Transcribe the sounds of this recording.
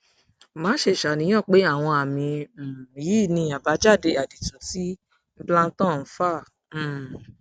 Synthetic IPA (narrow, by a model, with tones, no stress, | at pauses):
mãː˨˦ʃe˧˨ʃa˨nĩ˨˦j̃ɔ̃˦˨k͡pe˨˦a˦˨w̃ɔ̃˧a˨mĩ˧˨ji˨˦˨nĩ˧a˨ba˨˦d͡ʒa˦˨de˧a˨di˨tũ˨˦ti˨˦ | blã˦n̩˦tɔ̃˦˨n̩˨˦fã˦˨˦